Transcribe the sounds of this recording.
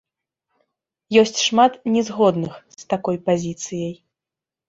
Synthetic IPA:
jɔsʲt͡sʲʂmat̪nʲɛzɣɔd̪nɨxst̪akɔjpazʲit̪sɨjɐj

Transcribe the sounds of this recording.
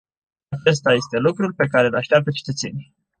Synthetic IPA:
at͡ʃe̞st̪aje̞st̪e̞lukɾulʲpe̞kaɾe̞laʃt̪eap̚t̪ət͡ʃe̥t̪ət̪se̞̰nʲ

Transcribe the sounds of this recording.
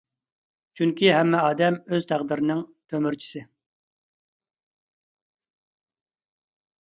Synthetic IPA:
t͡ʃʰyŋkʲiɦɛmːɛɑːd̪ɛmøz̥t̪ʰæqd̪ɪɾɪnɪŋt̪ʰømyɾt͡ʃʰi̥sɪ

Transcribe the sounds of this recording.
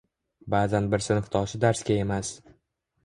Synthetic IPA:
baːzanbɪɾsɪnɪht̪ʰɒʃɪd̪aɾskʲae̞mas

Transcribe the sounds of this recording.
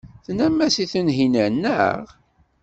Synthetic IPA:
θnæmːæsiθənɦinænːə̰ʁ

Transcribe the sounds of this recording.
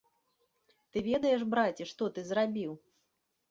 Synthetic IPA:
t̪ɨvʲɛd̪ɐjɛʂbɾat͡sʲiʂt̪ɔt̪ɨzrabʲiw

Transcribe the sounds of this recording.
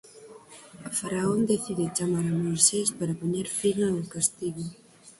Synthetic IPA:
ɐfaɾaond̪eθiðɪt͡ʃamaɾamojsespaɾapoɲeɾfiʎanokast̪iɣo

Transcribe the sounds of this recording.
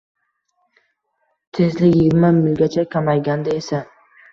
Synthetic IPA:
t̪ʰezlɪjɪɡʲɪɾmamɪlɡʲat͡ʃʰakʲʰamajɡʲand̪aesa

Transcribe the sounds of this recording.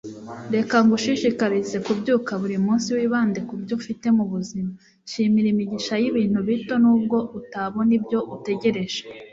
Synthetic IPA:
ɾe̞kaŋɡuʃiʃikaɾize̞kubɟuːkaβuɾimuːnsiwiːβaːndekubɟofite̞muβuzima | ʃiːmiɾimiɟiʃajiβiːn̥huβito̞nuːb̚ɡo̞ʔutaβo̞nibjo̞ʔute̞ɟe̞ɾe̞ʒ̥e

